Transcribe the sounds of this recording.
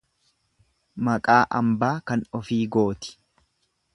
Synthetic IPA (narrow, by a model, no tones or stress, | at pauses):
mɐkʼaːʔɐmbaːkɐnɔfiːɡo̞ːt̪ɪ̥